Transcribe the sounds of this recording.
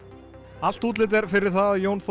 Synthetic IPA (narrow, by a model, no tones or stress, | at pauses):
al̥t̪uːt̪lɪt̪̬ɛɾfɪɾɪɾ̥θaðjownf